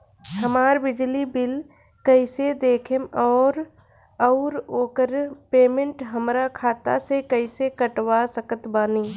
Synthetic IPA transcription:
ɦəmaːɾbɪd͡ʒlibɪl | kəɪsed̪eːkʰemɔːɾ | əʊɾoːkəɾpeːmẽɳʈɦəmɾakʰaːt̪a̰sekəɪsekəʈwasəkət̪baːniː

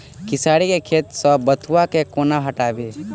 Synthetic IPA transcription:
kɪsaːɽikekʰeːt̪sɔbət̪ʰuwakekoːnaɦəʈaːbeː

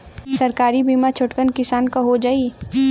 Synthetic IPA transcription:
sɐɾkaːɾibiːmat͡ʃʰʊʈkənkɪsaːnkaɦod͡ʒaːi

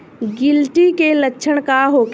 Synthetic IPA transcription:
ɡɪlʈikelətːʃʰəɽ̃kaɦoːk

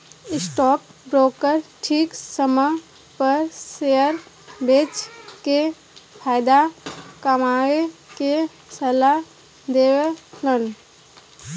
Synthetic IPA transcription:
ɪsʈɔːk̚bɾoːkəɾʈʰiːksəmə | pəɾseəɾ | beːt͡ʃke | pʰaːɪd̪akəmaːeke | səla | d̪eːʋelən

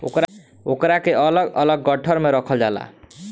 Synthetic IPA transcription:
o̰kɾ | okɾakeʔʌlʌɡʌlʌɡːʌʈʰʌɾmeɾəkʰəld͡ʒala̰

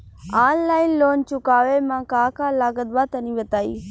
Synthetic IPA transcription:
aːnlaːɪnloːnt͡ʃʊkaːʋemãːkaːkalaːɡəd̪ʋaːt̪ɐnĩːʋət̪aːḭː

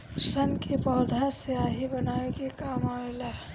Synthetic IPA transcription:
sənkepɔːd̪ʱaɾseaːɦibənaːekekaːmaela

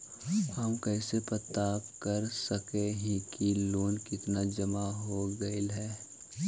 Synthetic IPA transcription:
aːmkɛːsepət̪aːpkəɾsəkeɦĩkiloːnkɪt̪nad͡ʒɐmaɦoɡɐɪlɦɛː

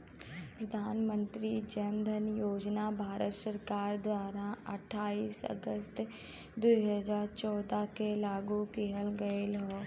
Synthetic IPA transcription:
pɾəd̪ʱaːnmə̃nt̪ɾid͡ʒənd̪ʱənjoːd͡ʒnabʱaːɾət̪səɾkaːɾd̪waːɾaɐ̰ʈʰːaːiːsə̰ɡəst̪ | d̪uɦəzaːɾt͡ʃɔːd̪akelaːɡukiɦəlɡəelɦoː

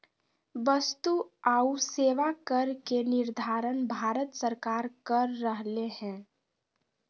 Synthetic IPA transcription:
ʋəst̪uaːuseːʋakəɾkenɪɾd̪ʱaːɾənbʱaːɾət̪səɾkaːɾkəɾːəɦlehɛ̃ː

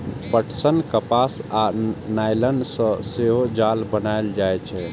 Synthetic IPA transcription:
pəʈʰsənkəpasanajlənsə̃seɦod͡ʒalbənaeld͡ʒajt͡ʃʰɛ

